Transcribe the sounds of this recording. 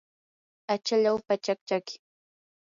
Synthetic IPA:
at͡ʃaʎawpat͡ʃak̚t͡ʃakɪ̥

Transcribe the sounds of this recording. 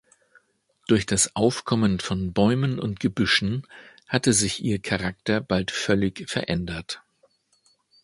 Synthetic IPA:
d̥ʊɐçd̥asʔaʊfkʰɔmənfɔnbɔʏmənʊ̰ntɡ̥əbʏʃn̩ | hatəzɪçʔiːɐkʰaʁak̚tɐb̥altfœlɪçfɛɐʔɛndɐt

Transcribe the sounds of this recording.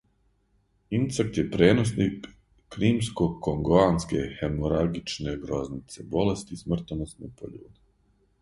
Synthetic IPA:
imt̪sak̚t̪je̞pɾeːnosnikː | ɾiːmskokoŋɡoaːnske̞̰xemoɾaɡit͡ʃne̞ɡɾo̞znit̪se̞bo̞le̞st̪ismr̩t̪onost̪nepo̰ʎṵːd̪e

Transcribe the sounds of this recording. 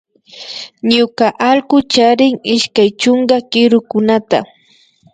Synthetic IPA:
ɲʊkaʔalɢʊt͡ʃaɾɪŋɪʃkajt͡ʃoŋɢakɪɾʊkʊnat̪a̰

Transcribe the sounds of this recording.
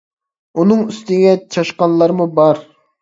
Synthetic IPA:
unɨŋyst̪ɪɡʲɛt͡ʃʰɑʃqɑnlˠɑɾmubɑɾ

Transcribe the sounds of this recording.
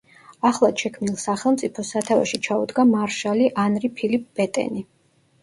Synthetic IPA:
aχlˠaʃɛkʰmnilˠsaχɛlˠmt̪sʼipʰɔsat̪ʰava̰ʃit͡ʃʰaud̪ɡamaɾʃaliʔanɾipʰilip̚ʼb̥ɛt̪ʼɛ̰ni

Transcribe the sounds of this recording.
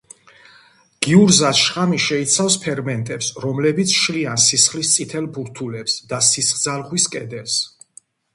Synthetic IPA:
ɡ̥iuɾzasʃχamiʃɛit̪sʰafspʰɛɾmɛnt̪ʼɛpsɾɔmlɛbit̪sʰʃliansisχlist̪sʼit̪ʰɛlbuɾt̪ʰulɛpsd̪asisχd̪zalʁwiskʼɛd̪ɛls

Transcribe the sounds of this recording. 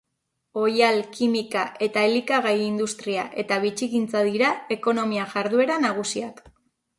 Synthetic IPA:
o̞jalkimikaʔe̞t̪aelikaɣajind̪ust̪ɾiaʔe̞t̪aβit͡ʃikint͡saðiɾae̞ko̞no̞miaʝaɾðue̞ɾanaɣ̞usiak

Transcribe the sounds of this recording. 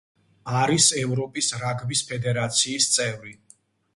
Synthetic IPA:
aɾisɛvɾɔpʼisɾaɡbispʰɛd̪ɛɾat̪sʰiːst̪sʼɛvɾi

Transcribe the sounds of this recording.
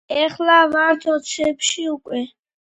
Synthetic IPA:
ɛχlamaɾt̪ʰɔt̪sʰɛpʃiukʼwɛ

